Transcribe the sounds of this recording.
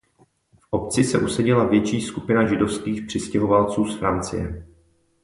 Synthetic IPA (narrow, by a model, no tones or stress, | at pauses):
fʔo̞p̚t͡sɪsɛʔusɛɟɪlavjɛt͡ʃiːskupɪnaʒɪdo̞fskiːxpr̝̥ɪscɛɦo̞valt͡suːsfɾant͡sɪ̰jɛ̰